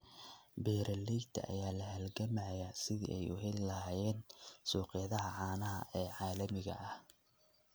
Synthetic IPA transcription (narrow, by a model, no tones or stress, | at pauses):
bɛːɾɐlɛjt̪ʰɐ̰ʔɐ̰jaːlɐhɐlɡɐmɐʕjaːsɪðḭʔɛjʊ̰ɦɛlɪlɐhaːjɛːnsuːqɪjɐðɐɦɐʕaːnɐɦɐ̰ʔɛːʕɑːlɐmɪɣɐ̰ʔɐh